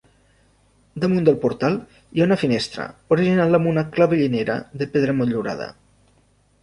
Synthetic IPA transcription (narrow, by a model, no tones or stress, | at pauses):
d̪əmund̪əlˠpuɾt̪alˠ | iaunəfinest̪ɾə̰oɾiʒinaləmunəklaβeʎineɾə̰ðəpeðɾəmonʎuɾa̰ð̞ə̰